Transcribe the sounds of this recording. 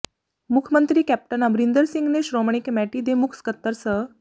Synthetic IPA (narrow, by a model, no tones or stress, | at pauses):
mukʰəmənt̪ɾiːkæp̚ʈənəbɾind̪əɾsiŋɡneɕɾoməɳ̃ikmæʈiːd̪emukskət̪ːəɾsə